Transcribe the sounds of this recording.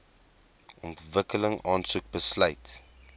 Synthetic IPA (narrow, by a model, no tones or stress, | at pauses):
ʔɔntvəkələŋɑːnsuk̚bəsləjt